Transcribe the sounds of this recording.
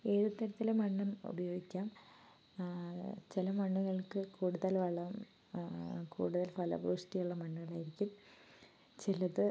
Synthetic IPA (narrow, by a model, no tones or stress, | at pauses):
e̞ːðut̪ːɐɾɐt̪ːilemɐɳːumṵbɐjo̞ːɡikʲːaːm | t͡ɕilɐmɐɳːuɣɐɭkɨkuːɽuðɐlʋɐɭːɐm | kʰṵːɽuðɐlpɐlɐ̰bruːsʈijuɭːɐmɐɳːuɣɐɭaːjiɾikʲːum | t͡ɕilɐðɨ